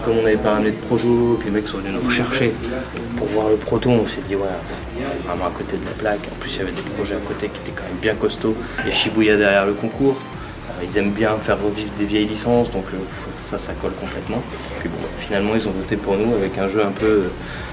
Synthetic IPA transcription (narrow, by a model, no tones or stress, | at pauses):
kɔmɔ̃navɛpaːmned̪əpχot̪oklemɛksɔ̃vənynuʁəʃɛʁʃe | puʁvwaʁləpχɔt̪oɔ̃sɛd̪iwɛ̃ | vɛvʁɛmɑ̃akot̪ed̪əlaplakɑ̰̃plysiljavɛd̪epχɔʒɛakot̪ekʲie̥t̪ɛkɑ̃mɛmbjɛ̃kɔst̪oeʃibujad̪ɛʁjɛʁləkɔ̃kʰuːʁ | ilzɛmbjɛ̃fɛʁːəvivʁd̪evjɛjlisɑ̃sd̪ɔ̃køf | sasakɔlkɔ̃plɛt̪mɑ̃ | pɥibɔ̰̃bafinalmɑ̃ilzɔ̃vɔt̪epuʁnuavɛkɛ̃ʒøɛ̃pøø